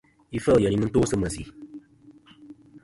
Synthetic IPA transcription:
i˦fə˦˨jə˨ni˨˦mɨ˦n̩to˦sɨ˦mə˨sḭ˨

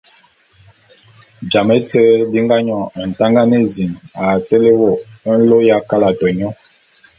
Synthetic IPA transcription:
d͡ʒa˨mɛ˦tɛ˦di˦ŋɡa˦ɲɔ˦˨n̩˨ta˦ŋɡa˦nɛ˦zi˨ŋa˨tɛ˦le˦wo˦˨˦n̩˦lo˦ja˦ka˦la˨tɔ˨ɲɔ˦

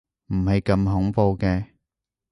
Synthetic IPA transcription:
m̩˨˩hɐ˨jkɐ˧mɦʊ˨˥ŋpo˧wkɛː˧

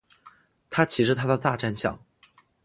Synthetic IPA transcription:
t̪ʰa˥t͡ɕʰi˧˥ʂɻ̩˥˧t̪ʰa˥d̪ə˨t̪a˥˧ʈ͡ʂa˥˧nɕjɑ̰˥˩ŋ

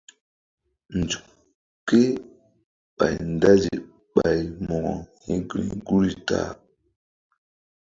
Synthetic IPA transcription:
n˨d͡zu˨ | ke˦ | ɓa˨jnda˦zi˨ | ɓa˨jmɔ˨ɡɔ˨hi˦ɡɾḭ˨ɡu˦ɾi˦ta̰˨˦

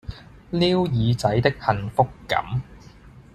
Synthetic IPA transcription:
liː˥wjiː˨˧t͡sɐ˨˥jt̪ɪ˥k̚hɐ˨nfʊ˥kːɐ̰˨˥m

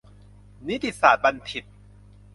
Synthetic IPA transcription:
ni˦˥t̪i˨saː˨˩t̪̚ba˧nt̪ʰi˨˩t̪̚

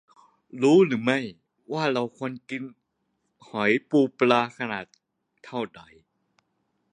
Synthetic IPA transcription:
ɾuː˦˥ɾɯː˩˦ma˥˩j | waː˥˩ɾa˧wkʰo˧˥ənki˧n | hɔ˩˦jpuː˧plaː˧kʰa˧naː˨˩t̪̚ʰː | a˥˩wda˨˩˦j

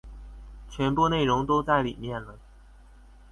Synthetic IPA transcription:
t͡ɕʰɥɛ˧˥npu˥˧ne˥˩ɪʊ˧˥ŋt̪o˥ʊt͡sa˥˩ɪli˨˩mjɛ˥˩nlə˩

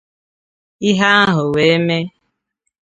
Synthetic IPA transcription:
i˦ɦa˦a˦ɦʊ˨we˨e˦me˦

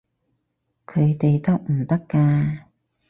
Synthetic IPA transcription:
kʰɵ˨˧ɥt̪e˨jt̪ɐ˥k̚m̩˨˩t̪ɐ˥kːaː˧

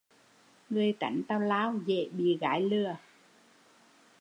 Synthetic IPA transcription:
ŋɨ˨˧˩əjk̪a̰˧˩jŋ̟t̪aː˧wlaː˧˦˥wzḛ˧˨ɓḭ˧˨ɣaː˨˦jlɨ˧˩ə

